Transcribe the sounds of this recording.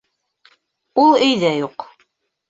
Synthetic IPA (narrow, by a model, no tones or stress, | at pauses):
ulˠɘ̆jðæjuq